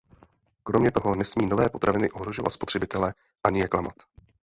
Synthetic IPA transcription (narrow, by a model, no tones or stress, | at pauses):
kɾo̞mɲɛt̪o̞ɦo̞nɛsmiːno̞vɛːpo̞t̪ɾʔavɪnɪʔo̞ɦɾo̞ʒo̞vat̪spo̞t̪r̥ɛbɪt̪ɛlɛ | ʔaɲɪjɛklamat̪